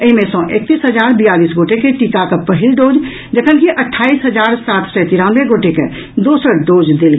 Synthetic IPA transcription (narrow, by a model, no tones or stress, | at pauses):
əɦimẽsɔ̃ʔek̚t̪isɦəd͡ʒaːɾbijaːliːsɡoːʈekeʈiːkakapəɦɪlɖoːd͡ʒ | d͡ʒəkʰənkiʔəʈʰːaːisɦəd͡ʒaːɾsaːt̪ʰsɔt̪iɾãnʋeɡoːʈekḛ | d̪oːsəɾɖoːd͡ʒd̪eːlɡ